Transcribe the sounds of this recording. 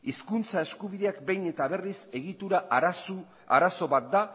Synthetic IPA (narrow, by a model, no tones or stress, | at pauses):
iskunt͡sae̞skuβiðe̞akbe̞jne̞t̪aβe̞rise̞ɣit̪uɾasu | a̰ɾaso̞βat̪̚d̪a